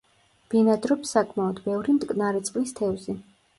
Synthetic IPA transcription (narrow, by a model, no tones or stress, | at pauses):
b̥inad̪ɾɔpsakʰʼmaɔd̪bɛvɾimt̪ʼkʼnaɾɛt̪sʼqʼlist̪ʰɛvzi